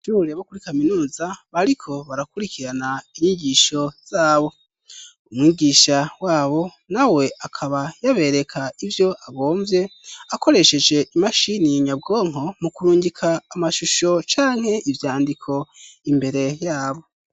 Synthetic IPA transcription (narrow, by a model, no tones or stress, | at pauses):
ʒuɾeβokuɾikaminuːzaβaɾikʰo̞βaɾakuɾikiɾanaiɲiɟiːʃo̞z̥aːβo̞ | umŋiɟiːʃawaːβo̞ | nawe̞akʰaβajaβe̞ɾe̞kʰaivjo̞ʔaβo̞ːɱvje̞ako̞ɾe̞ʃe̞d͡ʒe̞ʔimaʃiniɲabɡo̞ːŋ̥o̞mukuɾuːɲɟikʰaːmaʃuʃo̞t͡ʃaːŋ̥he̞ʔivjaːndikʰo̞imbe̞ɾe̞jaːβo̞